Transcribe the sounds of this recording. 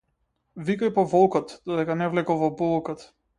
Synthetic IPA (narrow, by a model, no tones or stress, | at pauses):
vikajpɔvɔlˠkɔt̪d̪ɔd̪ɛkanɛvlɛkɔvɔbɔlˠkɔt̪